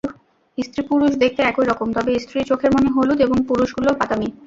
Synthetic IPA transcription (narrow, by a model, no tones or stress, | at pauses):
ist̪ɾipuɾuʃd̪ekʰt̪eɛkoiɾɔkomt̪ɔbeist̪ɾit͡ɕokʰeɾmoneɦolud̪eboŋpuɾuʃɡulopat̪ami